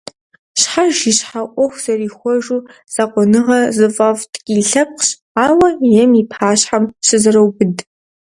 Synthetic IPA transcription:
ɕħaʒiɕħaʔʷɔxʷz̥ɐriːxʷɔʒuːz̥aqʷɔnɨʁɐzɨfʼɐvtɡʲʼiɬɐp̚qɕ | aːwɐjɛmipʰaːɕħamɕɨzɨrɐwbɨd

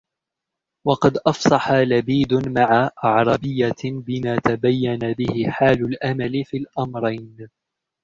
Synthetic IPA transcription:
wɑqɑd̪ʔɑfsˤɑħalabiːd̪ʊmaʕaʔɑʕɾˤɑbɪjːabɪmaːt̪abajːanabɪhɪħaːlʊlʔamalɪfiːlʔamɾˤɑjn

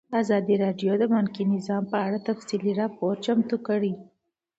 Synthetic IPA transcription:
əazɑd̪iɾɑɖjod̪əmʊnkinɪzɑmpəaɽat̪afsiliɾɑpoɾt͡ʃamt̪ukəɽi

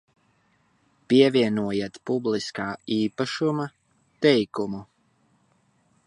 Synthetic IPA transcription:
piɛviɛnuɔjat̪publiskaːiːpaʃuma | t̪ɛjkumu

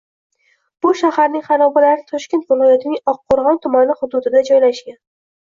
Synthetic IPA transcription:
b̥ʊʃahaɾnɪŋχaɾɒbɪlaɾɪt̪ʰɒʃkʲent̪vɪlˠɒjat̪ɪnɪŋɒqʰːoɾʁɒnt̪ʰʊmanɪχʊd̪ʊd̪ɪd̪ad͡ʒɒjlaʃkʲan

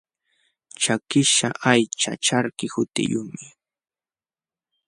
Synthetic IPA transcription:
t͡ʃakɪʃaʔajt͡ʃa̰t͡ʃaɾkɪhʊt̪ɪ̰jʊmɪ

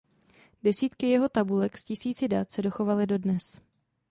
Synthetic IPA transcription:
dɛsiːt̪kɪjɛɦo̞t̪abulɛkscɪsiːt͡sɪdat̪sɛdo̞xo̞valɪdo̞dnɛs

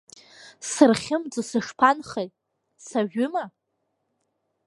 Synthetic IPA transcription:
sɨrχʲɪmd͡zɨsɨʂpʰanχejtʼ | saʒᶣʊma

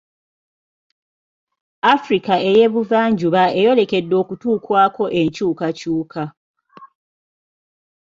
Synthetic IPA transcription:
afɾikae̞je̞βuvaːɲɟuβae̞jo̞le̞ke̞dːo̞ːkutuːkwaːko̞ʔe̞ɲcuːkacuːkʰa

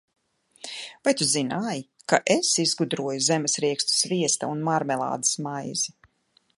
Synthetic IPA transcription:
vajt̪uzinaːji | kaʔesizɡud̪ɾuɔjuzɛmɛsɾiɛkst̪u̥sviɛst̪aunmaɾmɛlˠa̰ːd̪ḁsmajzi

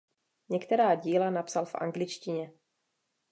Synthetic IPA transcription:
ɲɛkt̪ɛɾaːɟiːlanapsalfʔa̰ŋɡlɪt͡ʃcɪɲɛ

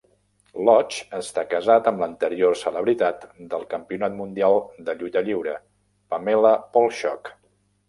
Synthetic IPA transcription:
lɔt͡ʃəst̪akəzat̪əmlənt̪əɾiorsələβɾit̪at̪d̪əlˠkəmpiunat̪mund̪ialˠd̪əʎut̪əʎiwɾə | pəmeləpɔlˠʃɔk

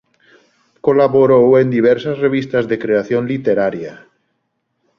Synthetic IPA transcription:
kolaβoɾowend̪iβ̞ɛɾsasreβ̞ist̪azðekɾeaθjonlit̪eɾaɾja

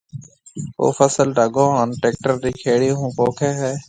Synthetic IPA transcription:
o̰ːfʰəsəlɖʱəɡõːɦənʈeːk̚ʈəɾd̪iːkʰeːɽiːɦũːpoːkʰɛːɦɛː

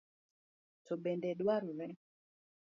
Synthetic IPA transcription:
tobɛndɛdwaɾʊɾɛ

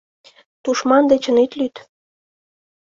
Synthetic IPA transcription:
t̪uʃmɑnd̪et͡ɕə̆net̪lyt̪

